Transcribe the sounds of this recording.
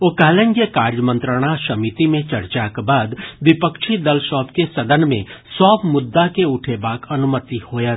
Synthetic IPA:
okɛːlə̃ŋɡekaːɾjəmə̃nt̪ɾəɽ̃asɐmit̪imẽt͡ʃɐɾt͡ʃakbaːd̪ʋɪpəkʃʰid̪əlʃɔːpkesɐd̪ənmḛ̃sɔːbmʊd̪ːakeʊʈʰebaːkʰɐnʊmət̪ihoːja

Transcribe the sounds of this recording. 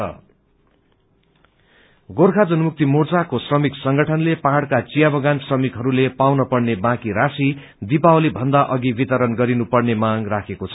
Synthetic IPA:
ʌ̰ | ɡorkʰad͡zʌnumuk̚t̪imort͡sakosrʌmiksʌŋɡʌʈʰʌnlepaɦaɽkat͡sijabʌɡansrʌmikɦʌɾulepawnʌpʌɽnebãkiɾasi | d̪ipaolibʱʌnd̪aʔʌɡibit̪ʌɾʌnɡʌɾinupʌrnemaŋrakʰekot͡sʰʌ

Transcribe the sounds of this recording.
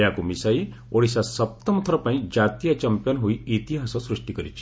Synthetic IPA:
jakumisai | oɽisasəp̚t̪ɔmɔt̪ʰɔɾɔpaĩd͡ʒat̪ijat͡ʃəmpjɔnɦoiit̪iɦasɔsɾuʂʈikɔɾit͡ʃʰi

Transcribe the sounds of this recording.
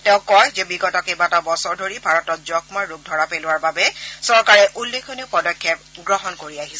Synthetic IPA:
tɛ̃ʊ̃kːɔjzɛbiɡɔtɔkejbatabɔsɔɹdʱoɹibʱaɹɔtɔt̚zɔkmaɹuk̚dʱɔɹapelʊwaɹbabɛsɔɹkaɹɛʔulːekʰɔneʊpɔdɔkʰːɛpɡɹɔɦɔnkoɹiaɦisɛ

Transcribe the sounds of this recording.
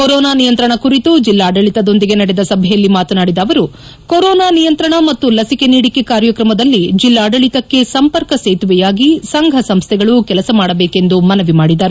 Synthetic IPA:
koɾɔːnaːnijɐnt̪ɾɐɳɐkuɾit̪ud͡ʒilːaːɖɐɭit̪ɐd̪o̞nd̪iɡe̞nɐɽed̪ɐsɐbʱɛjɐlːimaːt̪ɐnaːɽid̪ɐːʋɐɾu | koɾɔːnaːnijɐnt̪ɾɐɳɐmɐt̪ːulɐsike̞niːɽikekaːɾjɐkɾɐmɐd̪ɐlːid͡ʒilːaːɖɐɭit̪ɐkːe̞sɐmpɐɾkɐseːt̪uʋɛjaːɡisɐŋɡʱɐsɐmst̪ʰɛɡɐɭukɛlɐsɐmaːɽɐbeːke̞nd̪umɐnɐʋimaːɽid̪ɐːɾu

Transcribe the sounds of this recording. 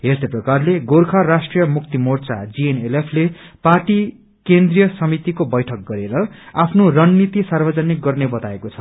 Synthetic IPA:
ɦerseprʌkarleɡorkʰarasʈrijʌmuk̚t̪imort͡sa̰d͡zienelepʰleparʈi | kend̪rijʌsʌmit̪ikobʌjʈʰʌk̚ɡʌɾeɾʌapʰnorʌnːit̪isarbʌd͡zʌnik̚ɡʌrnebʌt̪aekot͡sʰʌ̥

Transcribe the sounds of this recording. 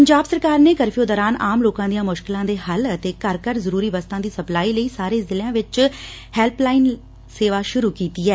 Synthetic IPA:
pəɲd͡ʒaːbsəɾkaːɾneːkəɾfijoːd̪ɔːɾaːnaːmloːkãːd̪ijãːmʊʃkɪlãːd̪eːhələt̪eːkəɾkəɾzəɾuːɾiːʋəst̪ãːd̪iːsəplaːiːləiːsaːɾeːzɪljãːʋɪt͡ʃ | hɛːlplaːɪn | seːʋaːʃʊɾuːkiːt̪iːɛː

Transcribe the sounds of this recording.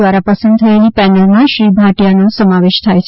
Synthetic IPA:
ʋaɾapəsə̃nd̪̚t̪ʰəelipɛnəlmãʃɾibʱaʈijanosəmaʋeʃt̪ʰajt͡ʃʰ

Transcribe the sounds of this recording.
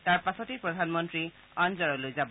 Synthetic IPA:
taɹpasɔtipɹɔdʱanmɔntɹi | anzɔɹɔlojzab

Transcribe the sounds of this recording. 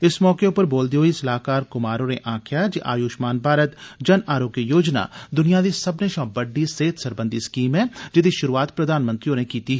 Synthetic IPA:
ɪsmɔːkeʊpəɾboːld̪iɦoːisɐlaːkaːɾkʊmaːɾoneʔãːkʰjad͡ʒiʔa̰ːjuːʃmaːnbʱaːɾət̪d͡ʒɐnaːɾoːɡjijoːd͡ʒna̰d̪ʊnijad̪isɐbneʃãːbəɖːiseːt̪ʰsɐɾbə̃nd̪iskiːmɦɛ̃d͡ʒɪd̪iʃʊɾuːaːt̪pɾəd̪ʱaːnmə̃nt̪ɾijõːnekiːt̪iɦɛ

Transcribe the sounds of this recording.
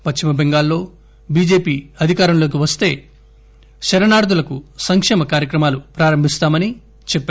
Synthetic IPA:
pɐt͡ʃt͡ʃimɐbeŋɡaːlːo̞ː | biːd͡ʒe̞ːpiːɐd̪ʱikaːɾɐmlo̞ːk̬iʋɐst̪e̞ː | ʃɐɾɐnaːɽud̪ulɐkusɐŋkʂɛːmɐkaːɾjɐkɾɐmaːlupɾaːɾɐmbʱist̪aːmɐni | t͡ʃɛpː

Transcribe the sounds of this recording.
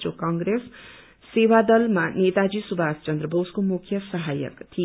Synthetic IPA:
t͡ʃokaŋɡɾesː | ewad̪ʌlmanet̪ad͡zisubʱast͡ʃʌnd̪ɾʌbʱoskomukʰjʌsʌɦajʌ̰kt̪ʰi

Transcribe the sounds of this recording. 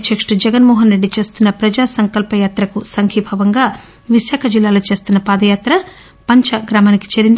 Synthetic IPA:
t͡ʃɐkʂʈud͡ʒɛɡɐnmɔːɦɐnɾe̞ɖːit͡ʃe̞ːst̪unːɐpɾɐd͡ʒaːsɐŋkɐlpɐjaːt̪ɾɐkusɐŋkʰipʰɐʋɐŋɡaː | ʋiʃaːkʰɐd͡ʒilːaːloːt͡ʃe̞ːst̪unːɐpaːd̪ɐjaːt̪ɾɐ | pɐɲt͡ʃɐɡɾaːmaːniki̥t͡ʃeːɾind̪i

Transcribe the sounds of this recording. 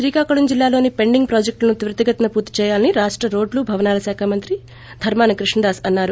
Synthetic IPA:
ʃɾiːkaːkɐɭɐmd͡ʒilːaːlo̞ːnipe̞ɳɖiŋɡ̚pɾaːd͡ʒek̚ʈlɐnut̪iʋɾɐt̪ɐɡɐt̪ɐnɐpuːɾt̪ːi̥t͡ʃɛːjaːlniɾaːʂʈɾɐɾo̞ːɖlubʱɐʋɐnaːlɐsaːkʰaːmɐnt̪ɾi | d̪ʱɐɾmaːnɐkɾiʂɳɐɾaːsɐnːaːɾu

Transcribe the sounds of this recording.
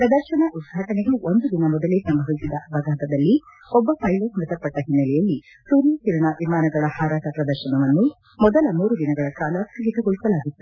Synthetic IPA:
pɾɐd̪ɐɾʃɐɳɐʔud̪ɡʱaːʈɐnɛɡeʔond̪ud̪inɐmɔd̪ɐlesɐmbʱɐʋisid̪ɐbʱɐɡʱaːt̪ɐd̪ɐlːi | ɔbːɐpʰɐjlosmɐt̪ɐɾpːɐʈːɐɦinːɐlɛjɐlːi | suːɾijt̪iɾɐɳɐʋimaːnɐɡɐɭɐhaːɾaːʈɐpɾɐd̪ɐɾʃɐnɐʋɐnːu | mɔd̪ɐlɐmuːɾud̪inɐɡɐɭɐkaːlɐkɐɡit̪ɐɡɔɭisɐlaːɡit̪ːu

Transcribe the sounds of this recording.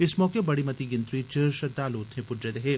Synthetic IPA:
ɪsmɔːkebɐɽimɐt̪iɡɪ̃nt̪ɾit͡ʃeɾʃɐd̪aːloːt̪ɦẽpʊdɾed̪ɐɦeː

